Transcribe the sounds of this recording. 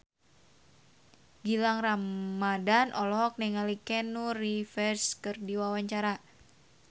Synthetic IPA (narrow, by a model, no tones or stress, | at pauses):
ɡilaŋramadanʔɔlɔɦɔk̚nɛŋalikɛnurifɛrskɨrdiwawaɲt͡ʃaɾa